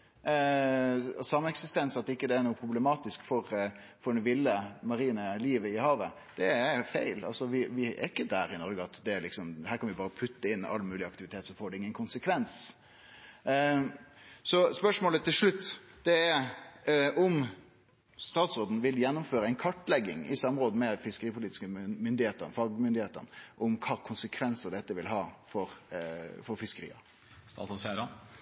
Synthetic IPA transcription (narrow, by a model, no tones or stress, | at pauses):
sɑmːəɛksɪst̪ɛnsɑt̪̚ːɪkːəd̪ɛæɾnuːəpʰɾʊbləmɑːt̪ɪskfɔɾ | fɔɖɛnʋɪlːəmɑɾiːnəliːʋəɪhɑːʋə | d̪̥ɛɛfæɪlɑ̰lsɔʋɪʋɪɛ̰ɾɪkːəd̪æɾɪnɔɾɡəɑt̪d̪ɛæɾlɪksɔmɦæːɾkʰɑnʋɪbɑːɾəpʰʉt̪ːəɪnːɑ̰lːmʉːlɪɑkt̪ɪʋɪt̪ʰeːt̪sɔfoːɖɛɪŋːənkʰʊnsəkʰʋɛns | sɔspœʂmoːlət̪ʰːɪlʂɭʉt̪ːd̪̥ɛæɾ | ʔɔm | st̪ɑːt̪sʁoːd̪n̩ʋɪljɛnːʊmføːɾəæɪnkʰɑʈːlɛɡːɪ̰ŋɪ̰sɑmːɾoːd̪əmɛfɪskəɾiːpʰʊliːt̪ɪskəmʏnd̪ɪheːt̪əɾnfɑɡmʏnd̪ɪheːt̪ə̰nəʔɔmkʰɑːkʰʊnsəkʰʋɛnsəd̪ɛt̪ːəʋɪlɦɑːfɔɾfɔɾfɪskəɾḭːɑ̰ | st̪ɑ̰ːsɔæɾɑ